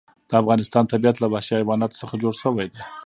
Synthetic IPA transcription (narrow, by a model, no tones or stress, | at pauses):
d̪̥əafɣɑnɪst̪ɑnt̪abiat̪labahʃiajwɑnɑt̪o̥səxad͡ʒoɽʃəwajd̪e